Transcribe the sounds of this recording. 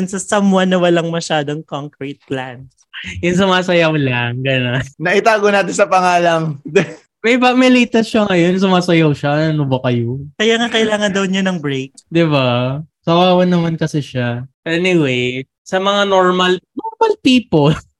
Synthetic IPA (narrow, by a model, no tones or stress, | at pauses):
ʊnsɐsɐmwɐnːɐwɐlaŋmɐʃaːd̪oŋkoŋkɾit̪̚klans | jʊns̬ʊmaːsɐjɐwlaŋɡɐnonnɐʔɪt̪aːɡonaːt̪̬ɪnsɐpɐŋaːlɐŋ | mɛjpɐmɪlit̪ɐsʃɐŋɐjo̞ns̬ʊmaːsɐjawʃanɐnobɐkɐjokɐjaːŋakɐɪlaːŋɐnd̪ɐwɲɐnɐŋbɾejk̚d̪ɪbat̪ɐwaːwɐnːɐmankɐsɛʃaʔɛniwej | sɐmɐŋanoɹmɐlnoɹmɐlpiːpol